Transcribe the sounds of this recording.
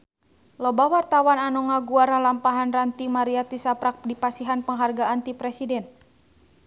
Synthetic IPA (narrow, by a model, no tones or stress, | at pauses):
lɔbawart̪awananɔŋaɡuaɾalampaɦanrant̪imaɾiat̪isapɾak̚dipasiɦanpəŋɦarɡaːnt̪ipɾɛsidɛn